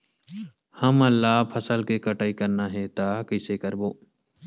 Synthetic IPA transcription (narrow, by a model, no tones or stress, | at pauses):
həməlːaːpʰəsəlkeːkəʈaːiːkəɾnaːɦeːt̪aːkɪseːkəɾboː